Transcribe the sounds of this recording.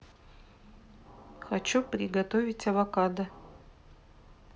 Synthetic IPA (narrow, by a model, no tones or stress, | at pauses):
xat͡ʃuprʲiɡɐt̪ovʲitʲɐvɐkad̪ɐ